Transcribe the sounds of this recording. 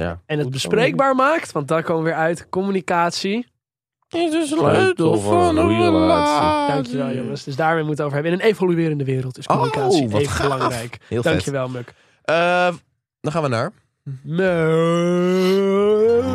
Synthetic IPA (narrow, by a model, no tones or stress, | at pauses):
a̰ɛnət̚bəsprejɡ̚baːɹmaːktʋɑ̃nt̚dɔnkoməʋɪːɹœɥtkɔmynikaːtsi | ɪssfɔnəəldɑŋkjəʋɛlˠjoŋəsdøsdaːɹmejmutətowvəɹɦɛbəɪnənejvolyɪːɾəndəʋɪːɾəlˠtɪskomynikaːsiejvəbəlɑŋrɛjkɪdɑŋkjəʋɛlˠmøk | ə | dɔχaːnʋəna̰ːɹ | nø